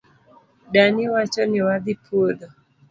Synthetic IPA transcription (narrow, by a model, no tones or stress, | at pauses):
ɗaniwat͡ʃɔniwaðipʰuɗɔ